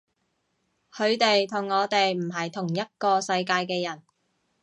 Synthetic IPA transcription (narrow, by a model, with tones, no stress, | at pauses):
kʰɵ˨˧ɥt̪e˨jt̪ʰʊ˨˩ŋːɔː˨˧t̪e˨jm̩˨˩ɦɐ˨jt̪ʰʊ˨˩ŋjɐ˥t̚kɔː˧sɐ˧jkaː˧jkɛː˧jɐ˨˩n